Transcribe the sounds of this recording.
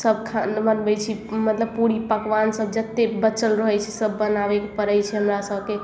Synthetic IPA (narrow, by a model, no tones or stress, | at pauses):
səbkʰanbənbɛjt͡ʃʰimət̪ləb̚puɾipəkʋansəbd͡ʒət̪ːebət͡ʃəlɾəɦɛjt͡ʃʰɛsəbːənabekepəɾəjt͡ʃʰɛɦəmɾasəbke